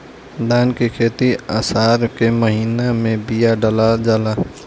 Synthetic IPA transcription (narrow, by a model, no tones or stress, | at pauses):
d̪aːnkekʰeːt̪iaːsaːɾkeməɦiːnamẽbijaɖəlad͡ʒala